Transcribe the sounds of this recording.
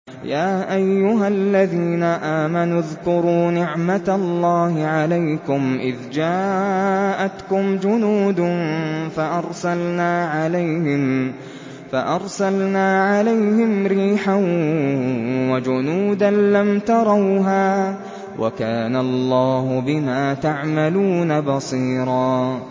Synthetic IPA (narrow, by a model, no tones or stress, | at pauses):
jaːʔajːʊɦalːaðiːnaʔaːmanʊðkʊɾuːnɪʕmat̪alːɑːhɪʕalajkʊmʔɪðd͡ʒaː | ʔat̪kʊmd͡ʒʊnuːd̪faʔɑɾˤsalnaːʕalajhɪm | faʔɑɾˤsalnaːʕalajhɪmɾiːħaw | wad͡ʒʊnuːd̪anlamt̪ɑɾˤɑwɦaː | wʔa̰kaːnalˤːɑːhʊbɪmaːt̪aʕmaluːnabɑsˤiːɾˤɑː